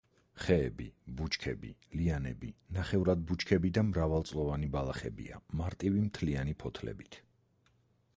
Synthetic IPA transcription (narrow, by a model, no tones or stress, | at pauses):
χɛːbibut͡ʃʰkʰɛbḭlianɛbinaχɛvɾad̪̚but͡ʃʰkʰɛbid̪amɾavalˠt̪sʼlˠɔvanibalˠaχɛbḭa̰maɾt̪ʼivimt̪ʰlianipʰɔt̪ʰlɛ̰bit̪ʰ